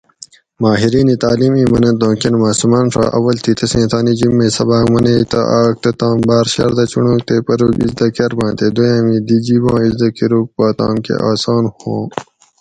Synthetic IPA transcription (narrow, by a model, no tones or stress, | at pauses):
maːɦiɾiːnit̪aːliːmiːmɐnɐ̃nd̪õːkenmaːsumaːnʂa̰ːʔɐ̰wɐlt̪ʰit̪ʰɐsẽːt̪ʰaːnid͡ʑimːẽːsɐbaːkmɐneit̪ɐ̰ʔaːk̚t̪ɐt̪ãːmbaːɾɕɐ̰ɾd̪ɐt͡ɕuɳũːk̚t̪epɐɾuɡḭzd̪ɐkɐɾbãːnt̪ed̪ojãːmĩːd̪id͡ʑibãːizd̪ɐkiɾuːk̚paːt̪ã̰ːmkḛʔaːsaːnhõː